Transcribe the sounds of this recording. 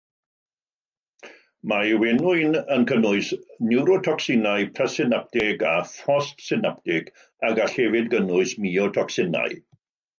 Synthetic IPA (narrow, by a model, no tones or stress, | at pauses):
mawɛnʊɨnənkʰənʊɨsnɪwɾɔtʰɔksɪnajpʰrɛsɪnap̚tɪɡafɔstsɪnap̚tɪɡ̥ | aɡaɬɛvɪdɡənʊɨsmiɔtʰɔksɪna̰j